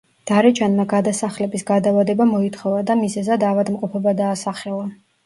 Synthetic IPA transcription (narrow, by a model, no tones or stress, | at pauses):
d̪̥aɾɛt͡ʃʰanmaɡad̪asaχlɛbisɡad̪avad̪ɛbamɔit̪ʰχɔvad̪amizɛzad̪avad̪mqʼɔpʰɔbad̪aːsaχɛlˠa